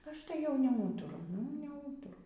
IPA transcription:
ˈɐʃ tɐɪ jɛʊ nʲɛˈuːtʊrʊ nʊ iː nʲɛˈuːtʊrʊ

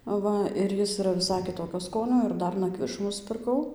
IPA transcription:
ˈʋɐ ɪr ˈjɪs ɪˈrɐ ʋʲɪˈsɐɪ kʲɪˈtoːkʲoː ˈskoːnʲoː ɪr ˈdɐr nɐˈkʋʲɪʃuː nʊsʲpʲɪrˈkɐʊ

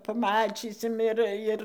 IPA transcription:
pɐˈmɑːt͡ʃʲiːsʲɪm ˈɪr ɪr

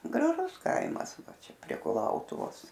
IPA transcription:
ɡrɐˈʒʊs ˈkɐɪmɐs ˈʋɐ ˈt͡ʃʲɛ pʲrʲiɛ kʊˈlˠɐʊtʊʋoːs

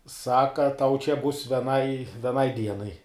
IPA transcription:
ˈsɑːkɐ tɐʊ t͡ʃʲɛ bʊs ʋʲɛˈnɐɪ ʋʲɛˈnɐɪ ˈdʲiɛnɐɪ

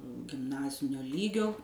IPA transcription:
ɡʲɪmˈnɑːzʲɪnʲoː ˈlʲiːɡʲoː

